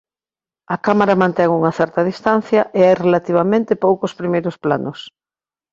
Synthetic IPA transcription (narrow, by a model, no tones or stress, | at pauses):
ɐkamaɾɐmãnt̪ɛŋuŋɐθɛɾt̪ɐðist̪an̟θjɐʔeajrelat̪iβ̞amẽnt̪ɪpowkʊspɾimejɾʊsplanʊs